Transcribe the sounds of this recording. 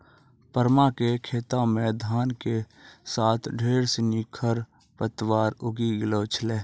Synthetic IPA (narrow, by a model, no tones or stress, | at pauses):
pəɾmakekʰeːt̪amẽd̪ʱaːnke | saːt̪ʰɖʱeːɽsɪnikʰəɾ | pət̪waːɾʊɡiɡɪloːt͡ʃʰleː